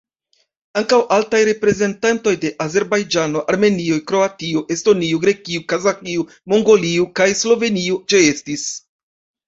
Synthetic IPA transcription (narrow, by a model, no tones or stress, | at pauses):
aŋkawʔaltajɾe̞pɾe̞ze̞ntanto̞jde̞ʔaze̞ɾbajd͡ʒano̞ʔaɾme̞niojkɾo̞atiuʔe̞sto̞niuɡɾe̞kiukazakiu | mo̞ŋɡo̞liukajslo̞ve̞niud͡ʒee̞stis